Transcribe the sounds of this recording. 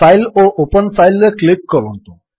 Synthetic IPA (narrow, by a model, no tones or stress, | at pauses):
ailoʔopənfailːəklip̚kəɾont̪o